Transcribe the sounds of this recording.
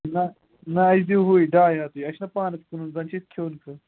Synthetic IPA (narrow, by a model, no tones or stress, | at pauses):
nɐ | nɐɐd͡ʒd̪iwɦoːiɖaːjaːt̪ujɐʃnɐpaːnɐskununzɐnʲt͡ʃʰit̪̚kʰoːnkʰɐ